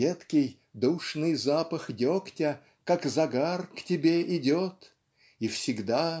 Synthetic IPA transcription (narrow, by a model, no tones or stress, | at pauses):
et̪kʲɪj | d̪uʂnɨjzapəxdʲoktʲə | kakzɐɡarktʲɪbʲeʔɪdʲot̪ | ifsʲɪɡd̪a